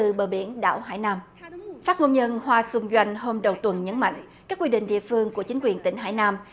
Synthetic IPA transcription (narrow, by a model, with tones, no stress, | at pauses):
ɨ˨˩ɓəː˨˩ɓi˧˩ənɗa̰ː˧˩wha̰ː˧˥jnaː˧m | faː˦˥t̚ŋo˧mɲə˧nhwaː˧su˧ŋzwa˧jŋ̟ɦo˧mɗə˨˩wt̪wə˨˩nɲə˨˦nma̰˧˨jŋ̟ | kaː˦˥kwi˧ɗḭ˧˨ŋ̟ɗḭ˧˨əfɨ˧əŋku˧˩ət͡ɕi˨˦ŋ̟kwi˨˩ənt̪ï˧˩ŋ̟ɦa̰ː˧˥˩jnaː˧m